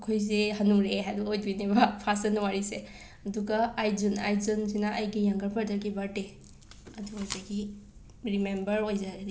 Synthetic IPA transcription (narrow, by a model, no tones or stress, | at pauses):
kʰojzehɐnuŋɾeɦaduojdinebɐpʰasɐnuwaɾise | ɐduɡaːjzuna̰jzunsinaʔɐjɡijɐŋɡɐɾpʰɐɾdɐɾɡibɐte | ɐduojzaɡi | ɾimembɐɾojzaɾɾi